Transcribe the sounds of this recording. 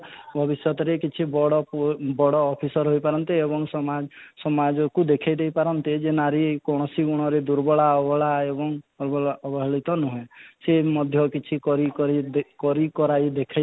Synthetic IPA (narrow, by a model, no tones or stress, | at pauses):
bʱɔbisjɔt̪ɔɾekit͡ʃʰibɔɽɔpbɔɽɔːpʰisɔɾɦojpaɾɔnt̪eebɔŋsɔma | sɔmad͡ʒɔkud̪ekʰajd̪ejpaɾɔnt̪ed͡ʒenaɾikɔɽ̃ɔsiɡuɽ̃ɔɾed̪uɾbɔɭaɔbɔɭaebɔŋbɔɔbɔɦɭit̪ɔnuɦẽsemɔd̪ʱjɔkit͡ʃʰikɔɾikɔɾikɔɾikɔɾajd̪ekʰa